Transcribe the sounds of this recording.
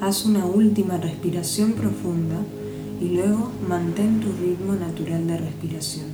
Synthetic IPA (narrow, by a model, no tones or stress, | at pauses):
asunault̪imarespiɾasjo̞mpɾo̞fund̪a | ilwe̞ɣ̞o̞mãnt̪e̞nt̪urit̪monat̪uɾald̪ere̞spiɾasjo̞n